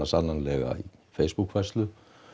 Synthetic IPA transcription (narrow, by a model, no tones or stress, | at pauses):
asamlaŋlɛɣa̰ifejsb̥ukʰfɛst̪lʏ